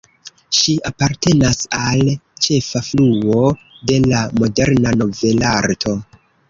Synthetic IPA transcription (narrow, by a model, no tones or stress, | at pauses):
ʃiapaɾte̞nasalt͡ʃe̞fafluo̞ | de̞lamo̞de̞ɾnano̞ve̞laɾtʰo̞